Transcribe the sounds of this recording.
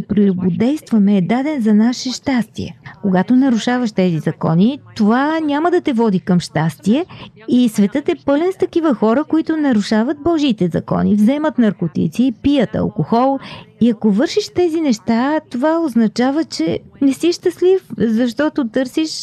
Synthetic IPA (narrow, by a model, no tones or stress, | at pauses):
pɾilʊbod̪ɛjst̪vɐmɛːd̪ad̪ɛnzɐnaʃɛʃt̪ast̪ḭɛ̰koɡat̪onɐɾuʃavəʃt̪ɛzizɐkɔ̰nit̪ovanʲaməd̪ɐt̪ɛvɔd̪ikəmʃt̪ast̪iɛ | isvɛt̪ɤt̪ɛpɤlɛnst̪ɐkivəxɔɾəkoit̪onɐɾuʃavət̪̚bɔʒit̪ɛzɐ̰kɔ̰nivzɛmət̪nɐɾkot̪ḭt̪siːpijət̪ɐ̰lˠkoxɔlˠiɐkovɤɾʃiʃt̪ɛzinɛʃt̪at̪ovaoznɐt͡ʃavət͡ʃɛnɛsiʃt̪ɐslifzɐʃt̪ɔt̪ot̪ɤɾsiʃ